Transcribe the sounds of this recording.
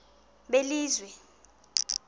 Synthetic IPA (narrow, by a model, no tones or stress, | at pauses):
ɓeliːzwɛ